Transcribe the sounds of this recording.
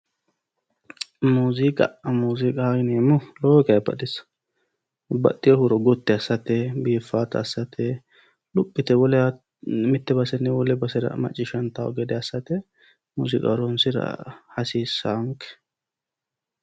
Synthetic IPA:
muːzɪkʼɐʔmuːzɪkʼaɡɪneːmʊloːkɐjbɐ̰ɗɪsɐ̥ | bɐ̰t̪ːɪɔhʊɾɔɡɔt̪ːɛɐsːɐt̪ɛbiːfːaːt̪ɐːsːɐt̪ʰɛ | lʊpʼːɪt̪ɛwɔlɛ | mɪt̪ːɛbɐsɛnːɛwɔlɛbɐsɛɾɐ̰mɐ̰t͡ʃʼːɪʃɐnt̪aɔ̰ɡɛd̪ɛɐsːɐt̪ɛ | muzɪkʼɐ̰ɾɔnsɪɾɐ̰hɐsiːsːaŋkɛ̥

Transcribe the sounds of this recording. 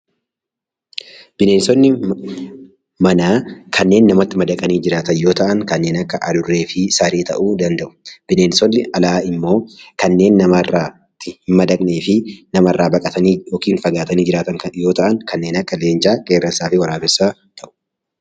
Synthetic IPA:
b̥ɪneːnsɔnːɪ | mɐnaːkʰɐnːe̞ːnːɐmɐt̪ːɪmɐd̪ɐkʼɐniːd͡ʒɪɾaːt̪ɐnjo̞ːt̪ɐʔɐŋkɐnːe̞ːnɐkːɐʔɐd̪ʊrːe̞ːfɪsaɾeːt̪ɐ̰ʔuːd̪ɐnd̪ɐʔʊ̥b̥ɪne̞ːnsɔnːɪɐlaːɪmːo̞ːkɐnːe̞ːnːɐmɐrːaː | t̪ːɪhɪmmɐd̪ɐkʼne̞ːfɪnɐmɐrːaːbɐkʼɐt̪ɐniːjokiːnfɐɡaːt̪ɐniːd͡ʒɪɾaːt̪ɐŋɐjo̞ːt̪ɐʔɐŋkɐnːeːnɐkːɐle̞ːnd͡ʒaːkʼeːɾɐnsaːfɪwɐɾaːbɛsːaːt̪ʰɐʔʊ̥

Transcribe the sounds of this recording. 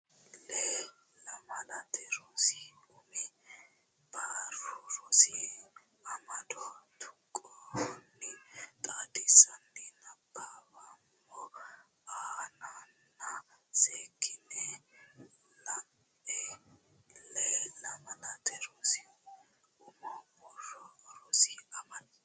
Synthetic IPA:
lɛ | lɐmɐnɐt̪ʰɛɾosɪʊmɪ | baːɾʊɾɔsɪ | ɐmɐd̪ɔt̪ʰʊ̥kʼːɔhnːɪt̪ʼaːd̪ɪsɐnːɪnɐbʰːabamː | ɔ | aːnanːɐseːkʰːɪnɛ | lɐm | ɛ | lɛlɐmɐnɐt̪ɛɾɔsɪ | ʊmɔbɔrɾɔɾɔsɪɐmɐn

